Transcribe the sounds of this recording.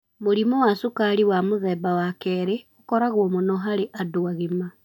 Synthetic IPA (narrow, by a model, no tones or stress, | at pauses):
moɾimɔwasukaɾiwamoðɛːbawakɛːɾeokɔɾaɣwɔmonɔɦaɾeʔadoaɣima